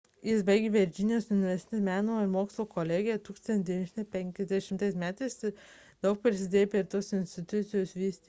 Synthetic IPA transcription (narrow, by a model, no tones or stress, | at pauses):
jɪsbɐɪɡʲeʋʲɛɾʲd͡ʒʲɪnʲɪjoːsjʊnʲɪʋʲɛɾʲsʲt̪ʲɪmʲæːnoɪɾmoːkslˠoːkoːlʲeːɡʲɪjɛt̪uːkst̪ɐnt̪ʲd̪ʲinʲɛʃʲnpʲɛŋʲkʲɛzʲd̪ʲɛʃʲɪmt̪ɐɪsmʲæːt̪ɐɪs | d̪ɐʊk̚pɾʲɪsʲɪd̪ʲeːjɛpʲɾʲeɾt̪oːsɪnʲsʲt̪ʲɪt̪ʊt̪sʲɪjoːsʋʲiːsʲt̪ʲi